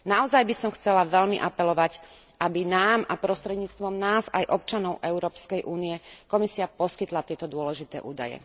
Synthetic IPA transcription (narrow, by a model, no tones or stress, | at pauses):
naɔzajbisɔmxt͡sɛlaʋɛʎmḭʔapɛlɔʋac | ʔabinaːmapɾɔst̪ɾɛd̪ɲiːt͡st̪ʋɔmnaːza̰jʔɔp̚t͡ʃanɔʊʔɛʊɾɔːpskɛjʔuːnijɛkɔmisiapɔskit̪lat̪ɪɛt̪ɔd̪ʊɔlɛʒit̪ɛ̰ːʔuːd̪a̰jɛ̰